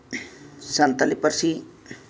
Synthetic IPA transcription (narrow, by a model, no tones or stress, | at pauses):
sant̪alipəɾsi